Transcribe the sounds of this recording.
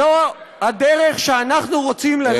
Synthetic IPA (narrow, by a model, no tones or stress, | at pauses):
ohadeʁeχʃeanaχnuʁo̞t͡simla